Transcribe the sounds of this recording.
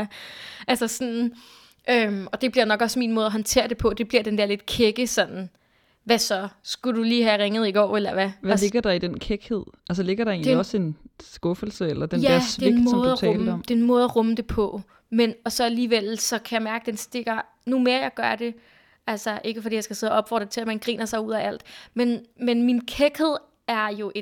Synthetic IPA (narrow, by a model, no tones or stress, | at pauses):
æʔælsɐsɒ̽nn̩ | ʔømɒ̽d̥e̝b̥liɐ̰nɒ̽ɡ̥ɒ̽smḭːnmɔ̽ːðˠɐɦɒnt͡sʰe̝̰ɐd̥e̝pʰɒ̽d̥e̝b̥liɐ̰d̥end̥eɐle̝d̥kʰeɡ̥əsɒ̽nn̩ | ʋæsɒ̽sɡ̥uduliːɦæʁeŋð̞̩ˠiɡ̥ɒ̰ːelɐʋææleɡ̥ɐd̥ɑ̈id̥enkʰeɡ̥he̝ð̞̰ˠʔæls̬əle̝ɡ̥ɐɾ̥ɑ̈e̝̰ːndliɒ̽se̝nsɡ̥ɔ̽fl̩səelɐd̥enjæɐ̰sʋ̥e̝eeɡmɔːðˠæɛɔ̰ːmldɒmd̥e̝enmɔ̽ːð̞̩ˠɐʁɔ̽məd̥e̝pʰɒ̽ | menɒ̽sɒ̽æliːʋel̰sɒ̽kʰæjɑ̈ɪmæɐɡ̥əd̥ensd̥e̝ɡ̥ɐ | nume̝ːɐjɑ̈ɪɡ̥ɶɐd̥e̝ | ælsɐʔe̝ɡ̥əfɒ̽dḭːjɑɪsɡ̥æse̝ðˠʔɒ̽b̥fɒ̰ːd̥ʁɐt͡sʰe̝læmænɡ̥ʁḭːnɐsɑ̈ɪuð̞̰ˠæʔæl̰d̥menmenminkʰeɡ̥he̝ð̰ˠ | æɐjo̝ʔe